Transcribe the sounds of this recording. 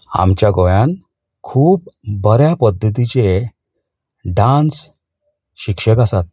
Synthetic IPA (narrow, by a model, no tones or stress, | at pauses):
a̰mt͡ɕjaɡojan | kʰuːp̚bəɾjapəd̪ʱːət̪̬it͡ɕe | ɖãns | ɕikʂəkasat̪̚